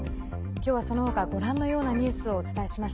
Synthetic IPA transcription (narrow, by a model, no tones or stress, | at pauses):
kʲo̞ːβaso̞no̞ho̞kaɡo̞ɾãnːo̞jo̞ːnaɲ̟ɨ̟ːsɨo̞ːt͡sɨ̥t̪aeɕimaɕi̥